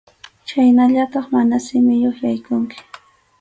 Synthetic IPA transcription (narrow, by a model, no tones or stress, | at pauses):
t͡ʃajnaʎat̪ɑχmanasɪmɪjoχjajkʊŋkɪ̥